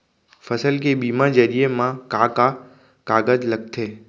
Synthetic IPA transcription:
fəsəlk̬ebimãd͡ʒəɾijemãkaka | kaɡəd͡ʒləkt̪ʰe

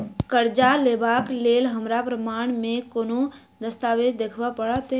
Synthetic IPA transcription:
kəɾd͡ʒaleːbaːkleːlɦəmɾapɾəmaːɳ̃mẽkoːno | d̪əst̪aːʋed͡ʒd̪ekʰʋapəɽat̪e

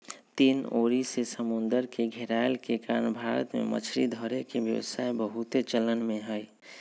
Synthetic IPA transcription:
t̪iːnoɾisesəmʊnd̪əɾkeɡʱɛɾajlkekaːɾnbʱaɾə̰t̪mḛmə̰t͡ʃʰɾid̪ʱɔɾekebjə̰ʋə̰saebəɦut̪et͡ʃələnmẽɦəj

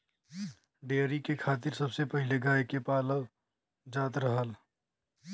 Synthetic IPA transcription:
ɖeːɾikekʰaːt̪ɪɾsəbsepəɦɪleɡaːjkepaːləʋ | d͡ʒaːt̪ɾəɦəl

